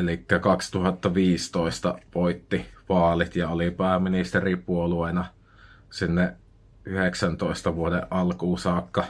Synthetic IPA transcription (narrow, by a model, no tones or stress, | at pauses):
elikːækɑkst̪uhɑt̪ːɑʋiːst̪oest̪ɑʋoit̪ːiʋɑːlit̪jɑolipæˑːmːinist̪eripuoluenɑ | sinːeʔ | ʔyheksænt̪oˑest̪ɑʋuodḛʔʔɑlkuːsɑːkːɑ